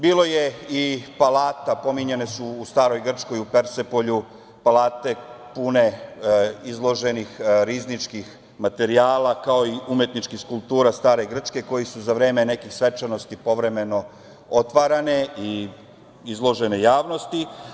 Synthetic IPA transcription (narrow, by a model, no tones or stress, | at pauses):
biːlo̞jeipalaːt̪apo̞miɲe̞nesuːst̪aːɾo̞jɡr̩t͡ʃko̞jupe̞ɾsepo̞ʎu | palaːt̪e̞ | pune̞ | izlˠo̞ʒe̞nixɾiznit͡ʃkix | mat̪e̞ɾiaːlakao̞iʔumje̞t̪nit͡ʃkixskulp̚t̪uːɾast̪aːɾe̞ɡr̩t͡ʃke̞ko̞jisuzaʋɾeːme̞ne̞kixsʋe̞t͡ʃano̞st̪ipo̞ʋɾe̞meno̞ | ot̪ʋaɾane̞i | izlˠo̞ʒene̞jaːʋno̞st̪i